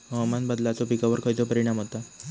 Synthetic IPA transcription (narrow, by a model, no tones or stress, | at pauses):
mɔmanbəd̪lat͡sɔpikaʋəɾkʰəjt͡sɔpəɾiɽ̃amɦot̪a